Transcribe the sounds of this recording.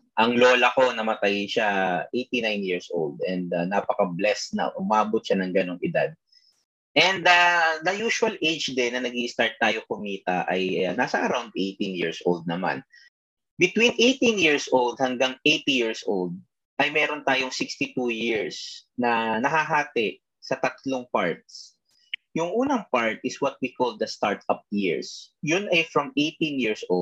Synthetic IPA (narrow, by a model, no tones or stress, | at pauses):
ʔɐŋloːlɐko̞nɐmɐt̪ajʃaʔejt̪inajnjiɹsʔo̰wld̪̚ʔɛnd̪ɐnapɐkɐblɛsnɐ̰ʔʊmaːbot̪̚ʃanɐŋɡɐno̞ŋʔɪd̪a̰d̪̚ | ʔɛnd̪ad̪ɐjuːʃʊɐlʔejd͡ʒd̪ɛnːɐnɐɡiʔɪst̪aɹt̪̚ːaːjokʊmiːt̪ɐ̰ʔɐjnaːsɐʔɐɾawnd̪ʔejt̪injḭɹsʔo̰ld̪̚nɐma̰n | bɪt̪winʔejt̪injiɹsʔold̪̚hɐŋɡaŋʔejt̪ijiɹsʔo̰ld̪̚ | ʔɐjmɛːɾont̪aːjoŋsɪkst̪it̪ujɪɹsnɐnɐɦaɦaːt̪ɛʔ | sɐt̪ɐt̪loŋpaɹt̪̚s | jʊŋʔuːnɐŋpaɹt̪̚ɪswɐt̪̚wikɔld̪ɐst̪aɹt̪ɐp̚jɪɹsjʊnʔɐjfɹɐmʔejt̪ĩnjiɹsʔo